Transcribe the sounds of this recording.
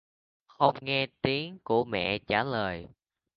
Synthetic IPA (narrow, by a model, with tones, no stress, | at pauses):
xə˧wŋ͡mŋɛ˧t̪i˨˦əŋku˧˩əmɛ̰˧˨t͡ɕaː˧˩ləː˨˩j